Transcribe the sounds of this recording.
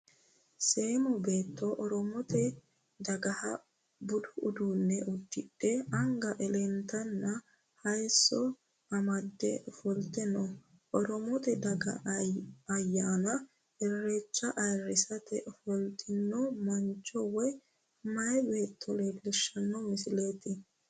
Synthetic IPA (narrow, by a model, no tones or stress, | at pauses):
seːmɔbe̞ːt̪ːɔʔɔɾɔmɔt̪ɛ | d̪ɐɡɐhɐ | bʊd̪ʊʔʊd̪uːnːɛʔʊd̪ːɪɗɛɐŋɡɐʔɛlɛnt̪ɐnːɐ | hɐjsɔ | ɐmɐd̪ːɛ̰fɔlt̪ɛnɔ | ʔɔɾɔmɔt̪ɛd̪ɐɡɐ̰ | ɐjːaːnɐ | ɛrːet͡ʃːɐʔɐjrɪsɐt̪ɛfɔlt̪ɪnːɔmɐnt͡ʃʼːɔwɛ | mɐjɛbeːt̪ʰːɔlebʃːɐnːɔmɪsɪlet̪ɪ